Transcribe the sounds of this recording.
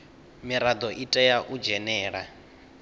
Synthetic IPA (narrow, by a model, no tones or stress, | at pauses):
miɾad̪ɔʔitʼɛjaʔud͡ʒɛnɛːɺa